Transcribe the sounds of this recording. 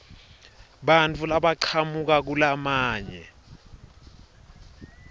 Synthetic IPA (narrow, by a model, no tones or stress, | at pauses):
ɓant͡fʰulaɓaǀʰamuk̬ak̬ulamaːɲɛ̰